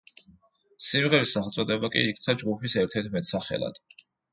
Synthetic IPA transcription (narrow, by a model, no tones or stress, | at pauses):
simʁɛɾisaχɛlt̪sʼɔd̪ɛbakʼḭikʰt̪sʰad͡ʒɡupʰisɛɾt̪ʰɛɾt̪ʰmɛt̪ʰsaχɛ̰la̰d̪̥